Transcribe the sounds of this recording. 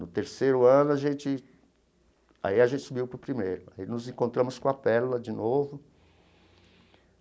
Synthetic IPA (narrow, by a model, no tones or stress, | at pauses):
nʊt̪eɾsejɾʊɐ̃nʊaʒẽnt͡ʃɪ | a̰iaʒẽnt͡ʃɪsubiwpɾʊpɾimejɾʊa̰inʊzẽkõnt̪ɾɐ̃mʊskõɐpɛlʊlɐd͡ʒɪnovʊ